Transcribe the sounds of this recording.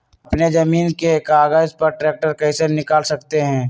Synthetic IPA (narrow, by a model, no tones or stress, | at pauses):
ɐpned͡ʒɐmiːnkekaːɡaːzpɐɾʈɾeːk̚ʈəɾkɐɪsenɪkaːlsɐkt̪eɦɛ̃ː